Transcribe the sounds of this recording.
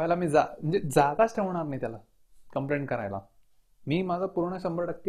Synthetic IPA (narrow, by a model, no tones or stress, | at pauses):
ajlamiːd͡zam̤əɳd͡zed͡zad̪at͡sʈʰeʋɳ̃aɾnait̪ʲjala | kəmpleɳʈkəɾa̰jla̰ | miːmad͡zʱapuɾɳ̃əɕəmbəɾʈəkː